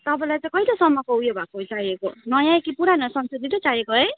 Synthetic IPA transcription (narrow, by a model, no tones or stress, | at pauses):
t̪ʌpãlajt͡sʌ̃j̃kʌilosʌmːʌkoɦujobʱakoɦojt͡sajekonʌjãjkipuɾanʌsʌnsud̪id̪ot͡sajekoɦʌj